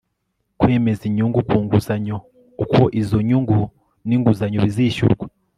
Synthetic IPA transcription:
kwe̞ːme̞ziɲuŋɡukuːŋɡuzaɲo | ukoʔizo̞ɲuŋɡu | niŋɡuzaɲoβiziʃṵɾɡwe

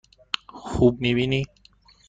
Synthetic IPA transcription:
xʰub̚nibini

